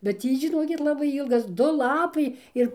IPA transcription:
bʲɛt ˈtʲiː ʒʲɪˈnoːkʲɪt ˈlˠɑːbɐɪ ˈiːlˠɡɐs ˈdʊ ˈlˠɑːpɐɪ ˈɪr

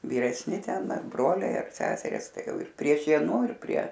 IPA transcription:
ʋʲiːrʲɛsʲˈnʲɪ ˈtʲɛn ɐr ˈbroːlʲɛɪ ɐr ˈsʲæːsʲɛrʲɪs ˈtɐɪ ˈjɛʊ ɪr pʲrʲiɛ ˈʃʲiɛnʊ ɪr pʲrʲiɛ

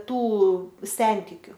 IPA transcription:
ˈtuː ˈsʲɛnʲtʲɪkʲʊ

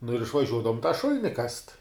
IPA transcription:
nʊ ɪr ɪʃʋɐˈʒʲuɔdɐʋoːm tɑː ˈʃʊlʲnʲɪ kɐst

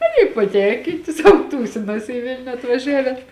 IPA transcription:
ˈɑːˌnʲiː pɐˈtʲɛŋʲkʲiːtʲɪ sɐʊˈtuːsʲɪnɐs ɪ ˈʋʲɪlʲnʲʊ ɐtʋɐˈʒʲæːʋʲɛn

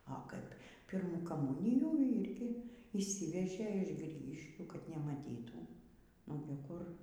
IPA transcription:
oː ˈkɐɪp ˈpʲiːrmuː kɐˈmuːnʲɪjuː ˈiːrʲɡʲɪ iːʃʲˈsʲiːʋʲɛʒʲeː ɪʃ ˈɡrʲiːɡʲɪʃʲkʲuː kɐt nʲɛmɐˈtʲiːtuː ˈoːɡʲɪ kʊr

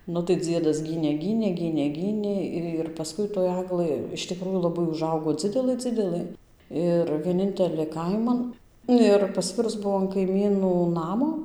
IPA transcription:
ˈnʊ tɐɪ ˈd͡zʲiɛdɐs ˈɡʲiːnʲeː ˈɡʲiːnʲeː ˈɡʲiːnʲeː ˈɡʲiːnʲeː ɪr pɐˈskʊɪ toːj ˈɑːɡlˠɘ ɪʃ tʲɪˈkruːjuː lˠɐˈbɐɪ ʊˈʒɐʊɡoː ˈd͡zʲɪdʲɛlˠɘ ˈd͡zʲɪdʲɛlˠɘ ˈɪr ʋʲiɛˈnʲɪnʲtʲɛlʲeː ˈkɐɪmɐn ˈnʊ ɪr pɐˈsʲʋʲɪrʊs ˈbuɔ ɐn kɐɪˈmʲiːnuː ˈnɑːmoː

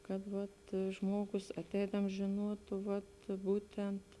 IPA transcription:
kɐt ʋɐt ˈʒmuɔɡʊs ɐˈtʲɛɪdɐms ʒʲeːˈnuɔtʊ ʋɐt ˈbuːtʲɛnt

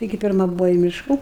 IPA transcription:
tɐɪˈɡʲɪ pʲɪrˈmɐ ˈbʊʋoː iː ˈmʲɪʃkɐ

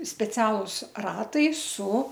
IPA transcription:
sʲpʲɛˈt͡sʲæːlˠʊs ˈrɑːtɐɪ sʊ

